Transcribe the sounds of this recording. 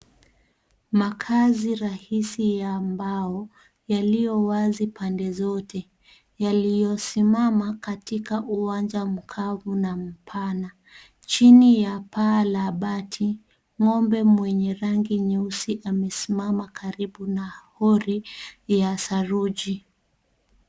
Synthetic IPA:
makʰaziɾahisijaːmbaɔ | jalijɔwazipʰandɛzɔtʰɛ | jalijɔsimamakatikaʔuwand͡ʒam̩kʰavunam̩pʰana | t͡ʃinijapaːlaɓatʰi | ŋɔmbɛmwɛɲɛɾaŋɡiɲusiʔamɛsimamakʰaɾiɓunahɔɾijasaɾud͡ʒi

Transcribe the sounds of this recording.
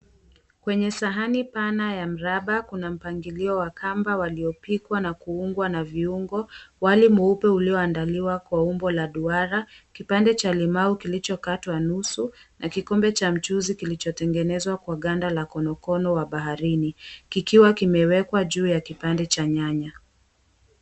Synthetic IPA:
kwɛɲɛsaɦanipanajam̩ɾaɓakunam̩paŋɡiliɔwakʰambawaliɔpikwanakuuŋɡwanaviuŋɡɔwalimuupɛuliɔandaliwakwaumbɔlaɗuaɾakipandɛt͡ʃalimaukilit͡ʃɔkatwanusunʔakikɔmbɛt͡ʃam̩t͡ʃuzikilit͡ʃɔtɛŋɡɛnɛzwakwaɠandalakɔnɔkɔnɔwaɓaɦaɾinikikiwakimɛwɛkwaʄuːjakipandɛt͡ʃaɲaɲa

